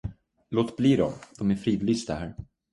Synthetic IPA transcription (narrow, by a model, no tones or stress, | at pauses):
loːt̪bliːd̪ɔmd̪̥ɔmæɾfɾiːvɪlɪst̪aɦæːɾ